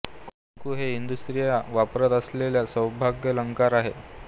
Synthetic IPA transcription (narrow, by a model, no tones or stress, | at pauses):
koŋkuːɦeind̪ust̪ɾijaʋapɾət̪əsleljasə̃wbʱaɡjələŋkaɾaɦḛ